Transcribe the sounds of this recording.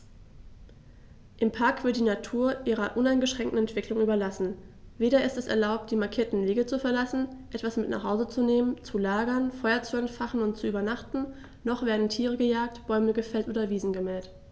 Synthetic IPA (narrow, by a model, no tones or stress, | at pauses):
ʔɪmpʰaɐkv̥ɪɐt̚d̥iːnatʰuːɐʔiːʁɐʔʊnaɪnɡəʃʁ̥ɛŋktn̩ɛntv̥ɪklʊŋʔyːbɐlasn̩ | veːɾɐɪstɛsɛ̰ɐlaʊp̚t̚d̥iːmaɐkʰiːɐtn̩liːɡət͡sufɛɐlasn̩ʔɛtv̥asmɪtna̰χhaʊzət͡suneːmənt͡sulaːɡɐnfɔʏɐt͡suɛntfaχn̩ʊnt̚t͡suyːbɐnaχtn̩ | nɔχv̥eːɐdn̩tʰiːʁ̞əɡəjaːk̚tb̥ɔʏməɡəfɛltʔoːdɐviːzn̩ɡəmɛlt